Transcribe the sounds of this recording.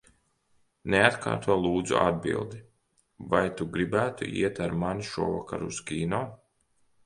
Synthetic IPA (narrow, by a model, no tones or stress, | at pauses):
neat̪ka̰ːɾt̪uɔlˠuːd̪zṵʔa̰d̪̚bḭlˠd̪i | vajt̪uɡɾibæːt̪ṵʔḭɛt̪aɾmanʃuɔva̰ka̰ɾuskʲiːnɔː